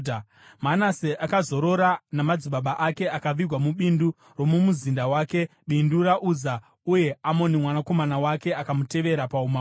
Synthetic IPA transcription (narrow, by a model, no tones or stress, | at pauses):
manaseʔakazo̞ɾo̞ɾanamad͡ziɓaɓaʔake̞akaʋirwamuɓindu | ro̞mumuzindawaːke̞ | ɓinduɾaʔuza | uje̞amo̞nimwanako̞manawake̞akamute̞ʋe̞ɾapauma